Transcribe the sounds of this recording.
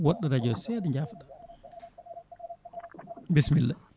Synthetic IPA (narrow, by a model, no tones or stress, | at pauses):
wɔɗːɔɾad͡ʒɔsɛdɛɲd͡ʒafɗa | bismilːɛ